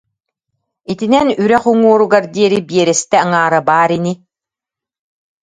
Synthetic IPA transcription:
it̪inɛnyɾɛχuŋuɔɾuɡaɾd̪iɛɾibiɛɾɛst̪ɛaŋaːɾabaːɾini

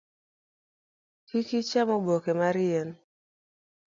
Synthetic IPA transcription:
kikit͡ʃamɔbɔkɛmaɾian

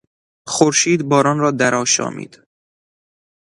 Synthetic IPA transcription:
xoɾʃiːd̪bɒːɾɒːnrɒːd̪æɾɒːʃɒ̰ːmḭːd̪̥

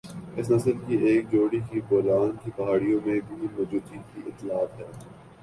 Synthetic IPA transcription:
ɪsnɐsəlkieːk̚d͡ʒoːɽikibɔːlaːnkipɐɦaːɽijõmẽbʱimɔːd͡ʒuːd̪iːkiʔɪt̪ːɪlaːt̪ɦɛː

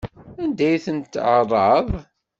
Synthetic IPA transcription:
ænd̪æjθənt̪ːʕərˤːɑðˤ

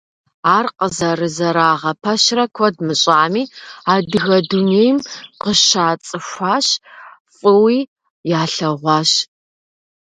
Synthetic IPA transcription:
aːrqəzɐrɨzɐɾaːʁɐpʰɐɕrɐkʷʰɔdmɨɕʼaːmiːaːdɨɣɐdunejmqəʃaːt͡sʼɨɕʷaːɕfʼɨwiː | jaːɬɐʁʷɑːɕ

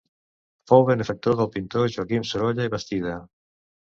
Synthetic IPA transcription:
fowβenefək̚t̪oðəlˠpint̪oʒuakimsoɾoʎaiβəst̪iða

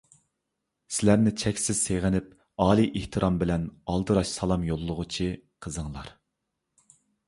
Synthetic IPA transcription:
sɪlæɾnɪt͡ʃʰɛkʲsɪz̥seʁɪnɪp̚ | ɑːlˠiʔeht̪ʰɨɾʔɑmbɪlɛnɑlˠd̪ɨɾɑʃsɑlˠɑmjolˠːʊʁʊt͡ʃʰiqʰəzəŋlˠɑɾ

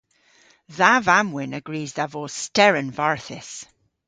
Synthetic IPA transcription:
ðavamwɪnəɡɹiːzðavostɛɹə̃nvaɹθɪs

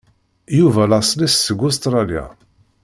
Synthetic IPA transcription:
juvælɑsˤlissəɡʊs̬t̪ɾˤɑlja̰

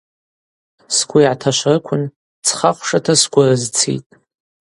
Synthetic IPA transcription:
skʷʰʼʊjʕatʰaʃʷrɨkʷʰʊn | t͡sʰχaχʷʂatʰasɡʷarɨzt͡sʰḭtʼ

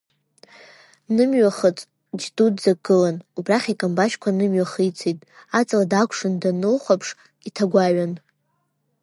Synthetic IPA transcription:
nɨmɥaχət͡sʼ | d͡ʒdudd͡zaɡɨlanubraχʲikʼambaʃkʷʰanɨmɥaχijt͡sʰejtʼat͡sʼladakʷʰʂɨndanɨlχʷapʰʂ | itʰaɡʷaɥan

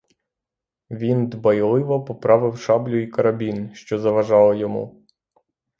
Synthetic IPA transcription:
ʋʲind̪bɐjlˠɪʋɔpɔpɾɑʋɪwʃɑblʲʊikɐɾɐbʲinʃt͡ʃɔzɐʋɐʒɑlˠɔjɔmṵ

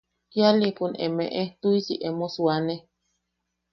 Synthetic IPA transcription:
jalipunḛmḛ̃ʔet̪uisiʔemoswane

